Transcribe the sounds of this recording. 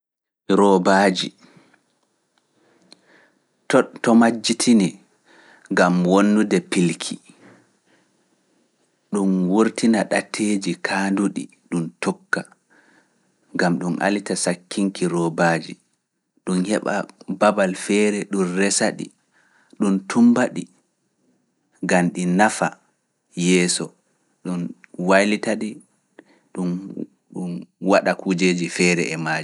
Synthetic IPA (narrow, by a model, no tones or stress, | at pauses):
ɾɔbaːd͡ʒi | ttɔmad͡ʒːitʰini | ŋɡamwonːudɛpilkʰi | ɗumwuɾtinaɗatʰːeːd͡ʒikʰaːnduɗḭ | ɗuntɔkːa | ŋɡamɗumʔa̰litasakʰːiŋkiɾɔbaːd͡ʒḭ | ɗunhɛɓa̰babalfɛːɾɛɗunrɛsaɗḭ | ɗuntumbaɗi | ɡanɗinafa | jɛːsɔ | ɗunwajlitaɗi | ɗun | ɗunwaɗakud͡ʒeːd͡ʒifɛːɾɛ̰ɛmad͡ʒi